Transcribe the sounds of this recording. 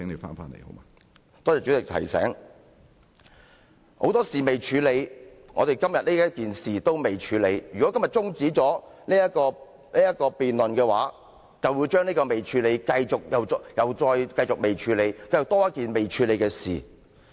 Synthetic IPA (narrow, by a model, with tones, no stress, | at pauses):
ɪ˨˥ŋle˨˧fa̰ː˥nfa̰ː˥nlḛ˨˩jho̰˨˧˦maː˧ | t̪ɔː˥ɛː˨˧t͡syː˨˥ɪ˨k̚t̪ʰɐ̰˨˩jsɛ̰ː˨˥ŋ | ho̰˨˧˥wt̪ɔː˥siː˨me˨˩jt͡ʃʰyː˨˧le˨˧j | ŋɔ̰ː˨˧t̪e˨jkɐ˥mjɐ˨t̚niː˥jɐ˥t̚kiː˨nsiː˨t̪o˥wme˨˩jt͡ʃʰyː˨˧le˨˧jjyː˨˩kɔ˨˥kɐ˥mjɐ˨˩t̚t͡sʊ˥ŋt͡siː˨˥t͡sɔː˨˥niː˥jɐ˥kɔː˧ | niː˥jɐ˥t̚kɔː˧piː˨nlɵ˨nkɛː˧wa̰ː˨˥ | t͡sɐ˨wju˨˧wt͡ʃœː˥ŋniː˥kɔː˧me˨˩jt͡ʃʰyː˨˧le˨˧jkɐ˧jt͡sʊ˨k̚jɐ˨wɔ˧jɐ˨wt͡sɔː˧jkɐ˧jt͡sʊ˨k̚me˨jt͡ʃʰyː˨˧˥le˨˧jkɐ˧jt͡sʊ˨k̚t̪ɔː˥jɐ˥kiː˨nme˨jt͡ʃʰyː˨˧le˨˧jkɛː˧sḭː˨˩